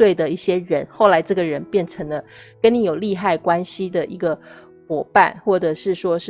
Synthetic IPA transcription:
we˥˩ɪd̪ə˩i˥˩ɕjɛ˥ɻə˧˥nxo˥˩ʊla˧˥ɪʈ͡ʂɤ˥˩ɡə˩ɻə˧˦˥npjɛ˥˩nʈ͡ʂʰə˧˥ŋlə˧kə˥ni˧˥jo˨˩ʊli˥˧xa˥˩ɪkwa˥nɕi˥d̪ə˨ʔi˧˥ɡə˧ | xwɔ˨˩pa̰˥˧˨nxwɔ˥˩ʈ͡ʂɤ˨˩ʂɻ̩˥˩ʂwɔ˥ʂ̩˥

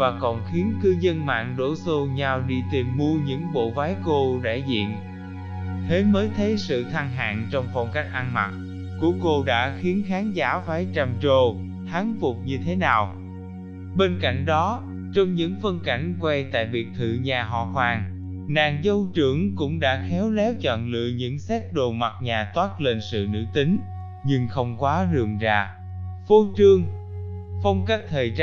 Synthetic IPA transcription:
vaː˨˩kɔ˨˩nxi˨˦ənkɨ˧zə˧nma̰ː˧˨ŋɗo̰˧˥so˧ɲa˧wɗi˧t̪i˨˩mːu˧əɲɨ̰˧˥ŋɓo̰˧˨vaː˨˦jko˧ɗa̰ː˧˩jzḭ˧˨ən | t̪ʰe˨˦məː˨˦jt̪ʰə˨˦jsɨ̰˧˨t̪ʰa˧ŋɦa̰ː˧˨nt͡ɕɔ˧wŋ͡mfɔ˧wŋ͡mka˦˥jk̟̚ʔa˧nma˨˩t̚ | ku˧˩əko˧ɗa̰ː˧˥xi˨˦ənxaː˨˦nzaː˧˦˥vaː˨˦jt͡ɕa˧˩mt͡ɕo˧ | t̪ʰaː˨˦ŋfʊ˨˩k͡p̚ɲɨ˧t̪ʰe˨˦naː˨˩w | ɓe˧nka̰˧˩˨jŋ̟ɗɔ˨˦ | t͡ɕɔ˧wŋ͡mɲɨ̰˧˥ŋfə˧nka˧˩jŋ̟kwɛ˧jt̪a̰ː˧˨jvi˨˩ək̚t̪ʰɨ̰˧˨ɲaː˨˩ɦɔ̰ː˧˨hwaː˨˩ŋ | naː˨˩ŋzə˧wt͡ɕɨ˧˩əŋkʊ̰˧˥ŋ͡mɗa̰ː˧˥xɛ˨˦wlɛ˨˦wt͡ɕɔ̰˧˨nlɨ̰˧˨ɲɨ̰˧˥ŋsɛ˦˥t̚ɗo˨˩ma˨˩t̚ɲaː˨˩t̪waː˦˥t̚le˧nsɨ̰˧˨nɨ̰˧˥t̪ï˨˦ŋ̟ | ɲɨ˧ŋxə˧wŋ͡mkwaː˨˦zɨ˨˩əŋza̰ː˧˨ | fo˧˦t͡ɕɨ˧əŋ | fə˧wŋ͡mkaː˦˥k̚t̪ʰəː˨˩jt͡ɕ

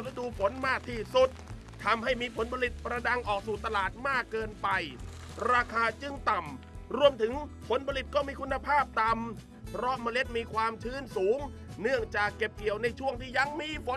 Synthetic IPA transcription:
le˦˥duː˧pʰo˨˩˦nmaː˥˩k̚t̪ʰiː˥˩su˨˩t̪̚ | t̪ʰːa˧mha˥˩jmiː˧pʰo˩˦npʰa˧li˨˩t̪̚pɾa˧da˧ŋʔɔː˨˩k̚suː˨˩t̪a˧laː˨˩t̪̚maː˥˩kːɤː˧npa˧j | ɾaː˧kʰaː˧t͡ɕɯ˧˩ŋt̪a˨˩m | ɾu˧əmt̪ʰɯ˩˦ŋpʰo˩˦npʰa˧li˨˩t̪̚kɔː˥˩miː˧kʰu˧nːa˧pʰaː˥˩p̚t̪a˧m | pʰɾɔ˦˥ʔmaː˧le˦˥t̪̚miː˧kʰwaː˧mt͡ɕʰɯː˦˥˩nsuː˩˦ŋ | nɯ˥˩əŋt͡ɕaː˨˩kːe˨˩p̚ki˨˩əwna˧jt͡ɕʰu˥˩əŋt̪ʰiː˥˩ja˧ŋmiː˧pʰo˨˦

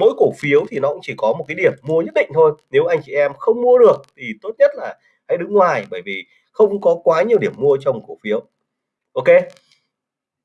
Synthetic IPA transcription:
mo̰˧˥jko˧˩fi˨˦əwt̪ʰi˨˩nɔ˨˦kʊ˧˥ŋ͡mt͡ɕi˧˩kɔ˨˦mo˨˩t̚kaː˨˦jɗi˧˩əmːu˧əɲə˦˥t̚ɗḭ˧˨ŋ̟t̪ʰo˧jne˨˦wʔa˧jŋt͡ɕi˧˨˩ʔɛ˧mxə˧wŋ͡mmu˧əɗɨ˨˩ək̚t̪ʰi˨˩t̪o˦˥t̚ɲə˦˥t̚laː˨˩ | ha̰˧˥jɗɨ˨˦ŋŋwaː˨˩jɓəː˧˩jvi˨˩ | xə˧wŋ͡mkɔ˨˦kwaː˨˦ɲi˨˩əwɗi˧˩əmːu˧ət͡ɕɔ˧wŋ͡mko˧˩fi˨˦əw | ʔo˧wke˧

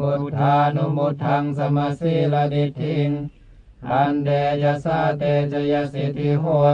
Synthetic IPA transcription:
u˧t̪ʰaː˧nu˧˨mu˧t̪ʰːa˧ŋsa˧maː˧siː˧˥˨la˧di˧t̪ʰːi˧˩ŋ | ʔa˧ndɛː˧t͡ɕa˧sa˧˩t̪ɛː˧t͡ɕa˧ja˧si˧˩t̪ʰi˧ɦo˧˩

